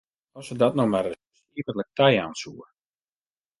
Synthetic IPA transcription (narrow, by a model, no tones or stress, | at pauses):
ɔsədɔtnɔmarə | siːvələk̚tɛja̰ːnsuːər